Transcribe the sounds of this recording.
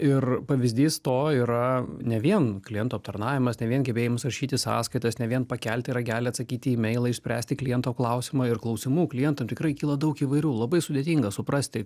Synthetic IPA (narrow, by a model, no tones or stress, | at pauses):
ɪrpɐʋʲɪzʲd̪ʲiːst̪oːiːɾɐnʲɛʋʲiɛnklʲɪjɛnt̪uːɐp̚t̪ɐrnɑːʋʲɪmɐsnʲɛʋʲiɛnɡʲɛbʲeːjɪmɐsɐrʃʲiːt̪ʲɪsɑ̰ːskɐɪt̪ɐsnʲɛʋʲiɛnpɐkʲælʲt̪ʲɪɾɐɡʲæːlʲɪɐt̪sɐkʲiːt̪ʲimʲɛɪlˠɐɪʃsʲpʲɾʲæːsʲt̪ʲɪklʲɪjɛnt̪oːklˠɐʊsʲɪmɑɪrklˠɐʊsʲɪmuːklʲɪjɛnt̪ɐmt̪ʲɪkɾɐɪkʲiːlˠɐd̪ɐʊkiːʋɐɪɾʲuːlˠɐbɐɪsʊd̪ʲeːt̪ʲiŋɡɐsʊpɾɐsʲt̪ʲɪ